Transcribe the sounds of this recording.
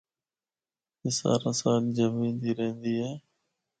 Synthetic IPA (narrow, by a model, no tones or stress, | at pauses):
ɦɪsa̰ːɾãːsaːld͡ʒəmĩːnd̪iːɾəɦnd̪iːɦɛː